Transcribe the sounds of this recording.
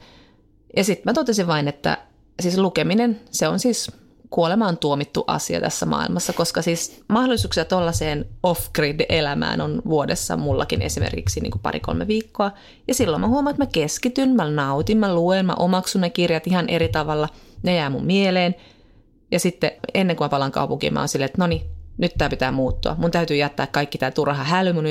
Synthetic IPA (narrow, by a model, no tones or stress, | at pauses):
jɑsit̪mæt̪ot̪esiʋʋɑinet̪ːæ̰ | siːslukeminenseonsiːs | kuolemɑːnt̪uomit̪ːuʔɑ̰siɑ̰t̪æ̰sːæmɑ̰ːḭlmɑsːɑkoskɑsiːsmɑhdolːˑisuːksiɑt̪olːɑseːnofkriːdeʔelæmæ̰ːnonʋuodesːɑ̰mulːɑ̰kinḛsimḛrkiksinḭːŋkupɑ̰ɾḭko̰lmḛʋiːkːoɑ | jɑsilːomʔæhuomonet̪mækeskit̪ynmænɑut̪immæluenmæ̰ʔomɑksunnekirjɑt̪ihɑnʔeɾit̪ɑʋɑlːɑnejæːmummieleːn | jɑsit̪ːeenːeŋkumæpɑlɑŋkɑ̰upuŋkḭmːɑ̰ːonsilːet̪noninyt̪t̪æːpit̪æːmuːt̪ːuɑ̰munt̪æyt̪yːjæt̪ːæːkkɑikːit̪æːt̪urhɑhælymun